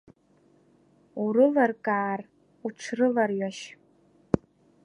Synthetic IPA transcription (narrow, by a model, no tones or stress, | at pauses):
uɾɨlarkʼaːr | uʈ͡ʂʷʰrɨlarɥaʃ